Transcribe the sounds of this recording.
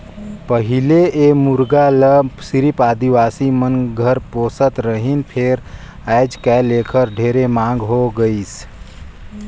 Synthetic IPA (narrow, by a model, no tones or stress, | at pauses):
pəɦɪleemuɾɡaləsɪɾipaːd̪iʋaːsimənɡʱəɾpoːsət̪ɾəɦinpʰeːɾ | ɛːd͡ʒkɛleːkʰəɾɖʱeːɾemãːŋɡɦoɡəis